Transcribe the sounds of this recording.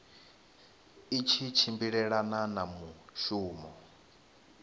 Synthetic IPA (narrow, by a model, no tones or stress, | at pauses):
it͡ʃʰit͡ʃʰimbiɺɛɺananamuʃuːmɔ